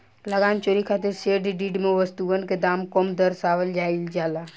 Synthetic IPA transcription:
ləɡaːnt͡ʃoːɾikʰaːt̪̬eɾseːɖiɖiːɖmẽʋəst̪uənked̪aːmkomd̪əɾsaːʋəld͡ʒaːild͡ʒaːlaː

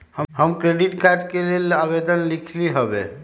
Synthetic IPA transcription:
həhəmkɾeɖiʈkaɾɖkelelabed̪ənlikʰliɦobe

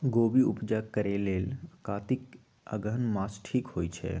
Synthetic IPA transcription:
ɡoːbiupd͡ʒakəɾeleːlkaːt̪ik | ə̰ɡənmaːsʈʰiːkhoːjt͡ʃʰɛ̰

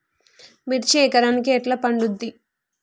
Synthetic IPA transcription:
miʈt͡ʃɛːkɐɾaːnikiɛʈlɐpɐɳɖud̪ːi

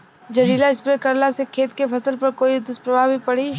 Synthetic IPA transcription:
d͡ʒɐɾiːlaɪspɾekɐɾlasekʰeːt̪kepʰɐsəlpɐɾkoːiʊd̪ɪspɾɐbʱaːbʱipɐɽi

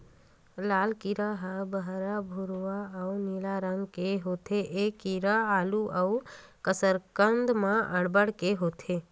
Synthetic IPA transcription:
laːlkiɾaɦəbəɦɾabʱuɾʋaəuniːlaɾəŋɡkeɦoːt̪ʰeʔekiɾaaːluʔəu | kəsəɾkənd̪mãʔəɽbəɽkeɦoːt̪ʰe

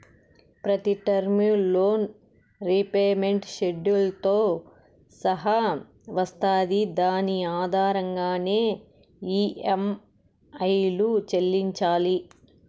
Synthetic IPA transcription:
pɾɐt̪iʈɐɾminlo̞ːn | ɾipeːme̞ɳʈʃe̞ɖjulɐt̪o̞ː | sɐɦɐ | ʋɐst̪aːd̪id̪aːniaːd̪ʱaːɾɐŋɡaːne̞ː | iːem | ɐjlut͡ʃelːiɲt͡ʃaːli

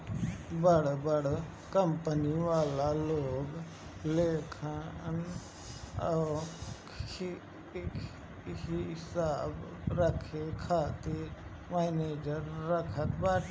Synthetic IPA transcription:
bəɽbəɽ | kəmpəniʋaːlaloːɡ | leːkʰən | hɪsaːb | ɾəkʰekʰaːt̪e | meːneːd͡ʒəɾːəkʰət̪baːʈ

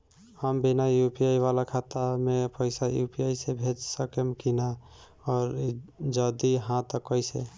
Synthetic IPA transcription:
həmbinajupiaiʋalakʰat̪amepəɪsajṵpijaisebʱed͡ʒsəkemkina | ɔːɾd͡ʒəd̪iɦãt̪əkːəjse

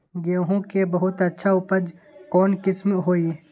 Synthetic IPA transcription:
ɡeɦõkebɐɦʊt̪ɐtːʃʰauːpəd͡ʒ | kɔːnkɪsmɦoːi

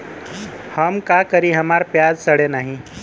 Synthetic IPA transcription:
həmkaːkəɾiɦɐmaːɾpjaːd͡ʒsəɽenaːɦĩ

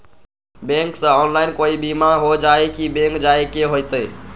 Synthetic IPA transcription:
bẽŋksə̃ɔnlajnkoibimaɦod͡ʒaekibẽŋkd͡ʒaekeɦojt̪əj

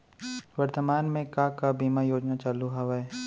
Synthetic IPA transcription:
ʋɐɾt̪əmaːnmẽkakabiːmajoːd͡ʒnat͡ʃaːluɦaʋaɛ

